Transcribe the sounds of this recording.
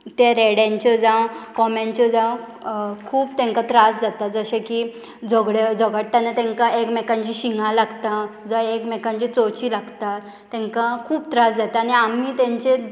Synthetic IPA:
t̪jaɾɛɽãɲt͡ɕəd͡zãkɔmaɲt͡ɕəd͡zã | kʰuːpt̪ɛ̃ŋkat̪ɾasd͡zat̪ad͡zəɕeki | d͡zɔɡɽed͡zəɡəʈʈ̪ːanat̪ɛ̃ŋkaekmekãɲt͡ɕiɕiŋɡãlaɡt̪ad͡zə̃ekmekãɲt͡ɕit͡sot͡ɕiːlaɡt̪aː | ɛ̃ŋkakʰuːpt̪ɾasd͡zat̪aːniamiːt̪ɛ̃ɲt͡ɕe

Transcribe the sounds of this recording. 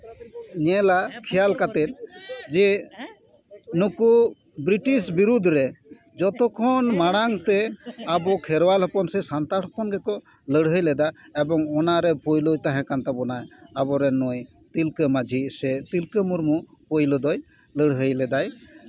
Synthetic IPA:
ɲɛlakʰɛjalkat̪ɛt̪̚d͡ʒɛ | nuku | bɾiʈisbiɾud̪ʱɾɛ | d͡ʒɔt̪ɔkʰɔnmaɽ̃aŋt̪ɛabɔkʰɛɾwalɦɔpɔnsɛsant̪aɾɦɔpɔnɡɛkɔ | ləɽɦəjlɛd̪aɛbɔŋɔnaɾɛpojlojt̪aɦɛ̃kant̪abɔnajabɔɾɛnɔj | t̪ilkəmad͡ʒʱisɛt̪ilkəmuɾmupojlɔd̪ɔj | ləɽɦəjlɛd̪aj

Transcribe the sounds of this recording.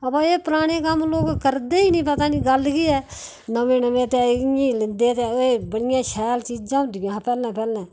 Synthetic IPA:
əpaːeːpəɾaːɽ̃eːkəmloːkkəɾd̪eːiːnĩːpət̪aːniːɡəlkiːɛː | nəʋẽːnəʋẽːt̪ɛːĩːlɪnd̪eːt̪eːoeːbəɽɪjãːʃɛːlt͡ʃiːd͡ʒd͡ʒãːʊnd̪ɪãːpɛːlɛ̃ːpɛːlɛ̃ː

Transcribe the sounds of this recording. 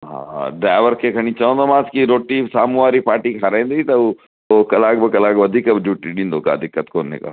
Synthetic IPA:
ɦã̰ːɖɾaːʋəɾkekʰɐñit͡ʃaõnd̪omãːskiɾoːʈisaːmuaːɾipaːɾʈikʰaɾẽːnd̪it̪ɐ | okɐlaːɡ̚bəkɐlaːɡbɐd̪ʱikɐbd͡ʒuːʈinĩnd̪oːka̰ɐd̪ʱɪkːət̪koːnːḛka̰

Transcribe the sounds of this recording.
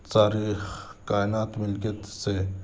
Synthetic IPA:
t̪aːɾiːxkaːɪnaːt̪mɪlkət̪se

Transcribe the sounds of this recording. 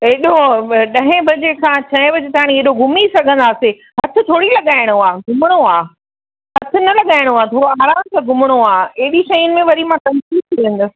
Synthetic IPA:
eɦɪɗoɗɐ̃ɦẽbʱɐd͡ʑekʰãt͡ɕʰɐɦẽbɐd͡ʑet̪ʰaːɽ̃ieɦɗoɡʱʊmisɐɡʱə̃nd̪aːse | ɦɐt̪ʰɪ̆t̪ʰoːɽilɐɠaːɪɽ̃oaːɡʱʊmɪɽ̃oaː | ɦɐt̪ʰɪ̆nɐlɐɠaːɪɽ̃oaːt̪ʰoːɽoaːɾaːmt̪ɐɡʱʊmɽ̃oaːeɦɗiʃɐiʊnɪ̆mẽʋɐɾimãt̪ɐnsiːbt̪ʰiə̃nd̪ʊ̆

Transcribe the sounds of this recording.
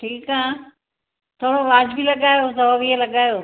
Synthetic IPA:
ʈʰiːkãː | t̪ʰoːɽoʋaːd͡ʑbɪlɐɠaːjod̪ɔʋielɐɠaːjoː

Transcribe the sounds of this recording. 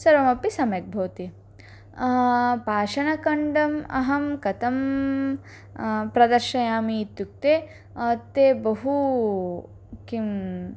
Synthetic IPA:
sɐɾʋɐmɐpisɐmjɐk̚bʱoːt̪i | paːʃɐnɐkɐɳɖɐmɐ̰ɦɐmkɐt̪ɐm | pɾɐd̪ɐɾʃɐjaːmiːt̪juk̚t̪eː | ɐt̪ːeːbɐɦu | kim

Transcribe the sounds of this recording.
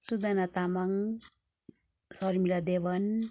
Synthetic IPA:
sud̪anat̪amaŋ | sʌɾmilad̪ebʌn

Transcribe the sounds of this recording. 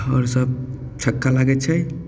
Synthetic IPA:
ɔ̰ɾsəb̚ | t͡ʃʰəkːalaɡɛt͡ʃʰɛj

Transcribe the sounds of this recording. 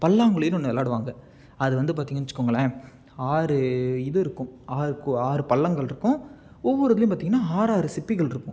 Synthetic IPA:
pɐlːaːŋɡɐɭɯjnɔnːɐlːaːɽɯʋaːŋɡɐ | ɐðɯʋɐnd̪ɯp̬aːɾt̪iːŋɡɐnt͡ʃːɯkːoːŋɡɐɭːɐ | aːɾɯɪðɯɪɾɯkːʊ̃aːɾɯkːɯaːɾɯpɐlːɐŋɡɐɭɪɾɯkːʊ̃ | ɔʋːɔɾɐðɐlɪj̃paːt̪iŋɐnːaːaːɾaːɾɯsɪpːɪɣɐɭɪɾɯkːʊ̃

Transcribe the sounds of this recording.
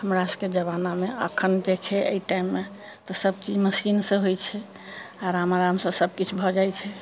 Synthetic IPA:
həmɾasked͡ʒəβanameə̰kʰənd̪ekʰɛʔə̰iʈaimːe | t̪ɔsəb̚t͡ʃid͡ʒməsinsə̃ɦojt͡ʃʰɛ | aɾamaɾamsə̃səb̚kit͡ʃʰbʱɔd͡ʒajt͡ʃʰɛ

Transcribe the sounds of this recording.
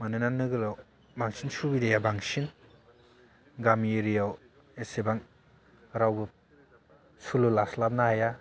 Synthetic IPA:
manɯnanːɯɡɯlaw | baŋsinsubidejabaŋsin | ɡamjeɾijaw | esebaŋ | ɾawbɯ | sululaslap̚naaja

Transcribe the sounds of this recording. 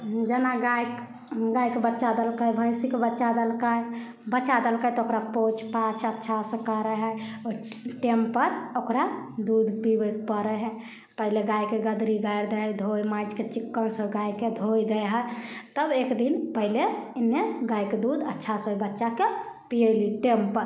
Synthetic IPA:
d͡ʒənaɡajk | ɡajkebətːʃad̪əlkajbʱəjsikebətːʃad̪əlkaj | bətːt͡ʃad̪əlkajt̪ɔokɾapot͡ʃʰpat͡ʃʰətːʃʰasə̃kəɾəɦəo | ʈempəɾokɾad̪ud̪ʱpibəpəɾɛɦɛ̃ | pəɦileɡajkeɡəd̪ɾiɡajɾd̪ɛd̪ʱojmad͡ʒket͡ʃikːənsəɡajked̪ʱojd̪ejɦət̪əbekd̪inpəɦilenːeɡajked̪ud̪ətːʃʰasɦojbətːʃakepiəjliʈempəɾ

